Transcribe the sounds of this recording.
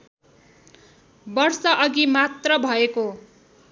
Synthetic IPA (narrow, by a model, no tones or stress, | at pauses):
bʌrsʌʔʌɡimat̪rʌbʱʌeko